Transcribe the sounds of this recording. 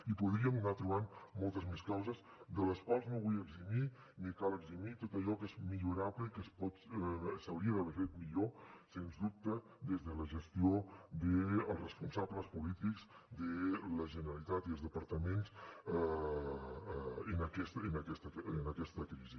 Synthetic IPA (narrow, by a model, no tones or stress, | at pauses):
ipuðɾiəmnat̪ɾuβ̞anmɔlˠt̪əzmeskawzəz | d̪ələskalˠznoβujəɡzimi | nikaləɡzimit̪ot̪əʎɔkezmiʎuɾaβləikəspɔt̪səwɾiəðəβefet̪̚miʎosenzðup̚t̪ə | d̪ezðələʒəst̪iod̪əəlˠrəspunsabləspulit̪ikz | d̪ələʒənəɾəlit̪at̪iəlˠzðəpəɾt̪əmenz | ənəkɛst̪ənəkɛst̪əənəkɛst̪əkɾizi